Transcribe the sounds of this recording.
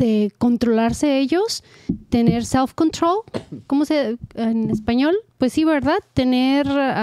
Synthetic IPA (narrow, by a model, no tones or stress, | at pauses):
d̪eko̞nt̪ɾo̞laɾse̞eʝo̞s | t̪e̞ne̞ɾselfko̞nt̪ɾo̞lkomoseenespaɲo̞lpwesːiβe̞ɾðaðt̪e̞ne̞ɾ